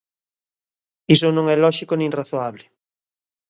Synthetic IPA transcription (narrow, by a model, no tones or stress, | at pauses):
isonõŋɛlɔʃikonẽŋraθoaβlɪ